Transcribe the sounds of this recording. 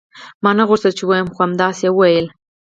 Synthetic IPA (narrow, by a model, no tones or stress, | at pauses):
mɑnaɣʊɾzəlt͡ʃɪwɑjəmxoamd̪ɑsjewəwajəl